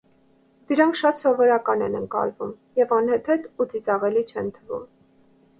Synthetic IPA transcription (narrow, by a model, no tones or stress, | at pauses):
d̪̥əɾɑŋkʰʃɑt̪sɔvɔɾɑkɑnɛ̰nəŋkɑ̰lvum | jɛvɑnhɛt̪ʰɛt̪ut͡sit͡sɑʁɛlit͡ʃʰɛnt̪ʰəvṵm